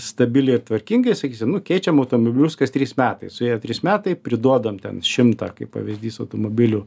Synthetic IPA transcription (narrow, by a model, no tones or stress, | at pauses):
st̪ɐbʲɪlʲɪɪɾt̪ʋɐɾʲkʲiŋɡɐɪsɐkʲiːsʲɪmnʊkʲɛɪt͡ʃʲɛmɐʊt̪omobʲɪlʲʊskɐst̪ʲɾʲiːsmʲæːt̪ɐɪsʊjeːjɛt̪ʲɾʲiːsmʲæːt̪ɐɪpʲɾʲɪd̪uɔd̪ɐmt̪ʲɛ̰nʃʃʲɪmt̪ɐkɐɪppɐ̰ʋʲɪzʲd̪ʲiːsɐʊt̪omoːbʲɪlʲu